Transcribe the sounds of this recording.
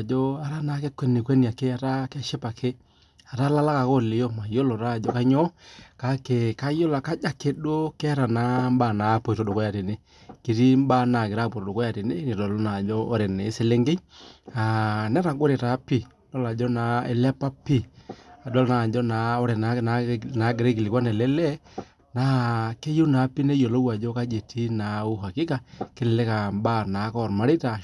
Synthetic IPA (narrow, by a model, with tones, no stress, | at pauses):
d͡ʒo˦a˨ɾa˦na˨˦ke˦kʷːɛ˦ne˨kwɛ˦ni˨a˨ke˦a˦ɾa˦kɛ˦ʃɪ˦pa˨kʰe˦ | a˨ɾa˦la˦la˦ka˨ko˦˨lɪ˨jo˦ma˨jo˦lo˨ɾa˦˨d͡ʒɔ˦ka˦ɲɔ˦ka˦ke˨ka˦jo˦la˨ka˦d͡ʒa˦ke˦do˦ke˦ɾa˨na˨˦m˦ba˦˨na˨˦po˨ɾo˦do˨ko˦ja˨ɾe˨ne˦ | ki˨ɾi˦m˦ba˦na˨kɪ˨ɾa˦˨po˨ɾo˨do˨ko˦ja˨ɾe˨ne˦ne˨dɔ˨lo˦na˨d͡ʒɔ˦o˦ɾe˨ne˨˦sɪ˦˨le˦ŋɡɪ˦ɲa˨nɛ˦ɾa˨ɡo˦ɾe˨ta˨˦pi˦˨dɔ˦la˨d͡ʒɔ˦na˨˦e˨lɛ˦pa˦pi˦a˨dɔ˦lna˨d͡ʒɔ˦na˨˦o˦ɾe˨na˦na˨na˨˦ɡe˨ɾe˦ki˨li˨kwa˦nɛ˨lɛ˦lɛ˦ | na˨˦ke˦jo˦na˨˦pi˦ne˦jo˨lo˦wa˨d͡ʒɔ˦ka˦d͡ʒe˨ti˦na˨u˦ɦa˨kɪ˦ka˦˨ke˦lɪ˨le˦ka˨mba˦˨na˨˦kɔ˦˨ɾma˦ɾi˦ta˨